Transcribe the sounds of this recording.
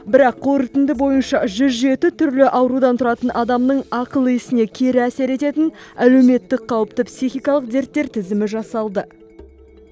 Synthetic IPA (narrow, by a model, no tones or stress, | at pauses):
bɪɾɑqːoɾət̪ɪnd̪ɪbo̞jənʃɑʒʏzʒe̞t̪ɪt̪ʰʏɾlɪʔɑwɾud̪ɑnt̪ʰʊɾɑt̪ənʔɑd̪ɑmnəɴɑqəlˠəɪsɪne̞kʲʰe̞ɾɪæse̞ɾe̞t̪e̞t̪ɪnæle̞wme̞t̪ːɪk̚qʰɑwəpt̪əpsiχijkɑlˠəqd̪e̞ɾt̪ːe̞ɾt̪ʰɪzɪmɪʒɑsɑlˠd̪ə